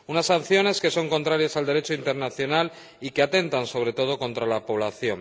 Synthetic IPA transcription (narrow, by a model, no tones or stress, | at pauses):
unasːanθjo̞ne̞ske̞so̞ŋko̞nt̪ɾaɾjasald̪e̞ɾe̞t͡ʃoint̪e̞ɾnaθjo̞nal | ikeat̪e̞nt̪anso̞β̞ɾe̞t̪o̞ð̞o̞ko̞nt̪ɾalapo̞β̞laθjo̞ŋ